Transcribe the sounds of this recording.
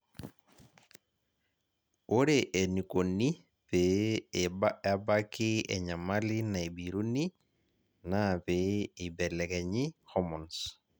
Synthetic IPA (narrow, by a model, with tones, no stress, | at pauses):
o˦ɾeʔe˨ni˨ko˨ni˦ | pe˨baabakɪ˦ɛɲa˨ma˦lɪ˦na˨i˨biɾu˦ni˦ | napei˨bɛ˨lɛ˨ɡɛ˨ɲihɔ˦mɔ˨ns